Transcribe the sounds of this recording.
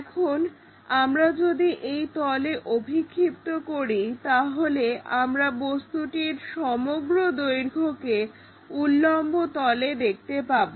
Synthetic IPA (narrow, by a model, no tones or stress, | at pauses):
ɛkʰon | amɾad͡ʑod̪iʔejt̪ɔleʔobʱikʰːip̚t̪okoɾit̪aɦoleamɾabost̪uʈiɾʃɔmoɡɾod̪ojɾɡʱoke | ulːɔmbot̪ɔled̪ek̚ʰt̪epabo